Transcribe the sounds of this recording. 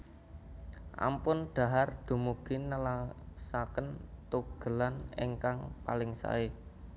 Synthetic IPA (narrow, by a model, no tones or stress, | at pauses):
ʔa̰mpʊnɖ̪̥a̤ɦard̪̥o̤muɡ̥inəlasakənt̪uɡ̥ə̤lanḛŋkaŋpalɪŋsa̰e